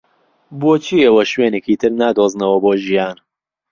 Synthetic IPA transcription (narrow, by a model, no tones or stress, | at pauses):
boːt͡ʃʰiːɐwɐʃweːneciːt̪ʰɨɾnaːd̪oːznɐwɐboːʒijaːn